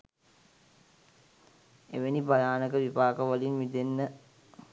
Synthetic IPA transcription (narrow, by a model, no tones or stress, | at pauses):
ḛʋenibɐjaːnəkəʋipaːkəʋɐlinʋid̪enːə